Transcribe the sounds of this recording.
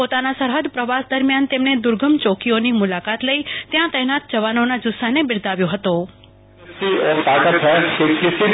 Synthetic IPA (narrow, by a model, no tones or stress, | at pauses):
pot̪anasəɾɦəd̪pɾəʋasd̪əɾmjant̪emned̪ʊɾɡʱəmt͡ʃokionimʊlakat̪ləit̪jãt̪əɦjnat̪̚d͡ʒəʋanonad͡ʒʊsanebɪɾd̪ʱaʋjoɦət̪o | iet̪aːkət̪t͡ʃʰɛkekɪsi